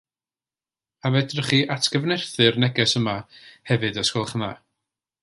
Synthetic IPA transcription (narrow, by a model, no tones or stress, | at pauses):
avɛdrəχiːʔatʰɡ̥əvnɛrθɨrnɛɡɛsəmahɛvɨdəskɔlˠχma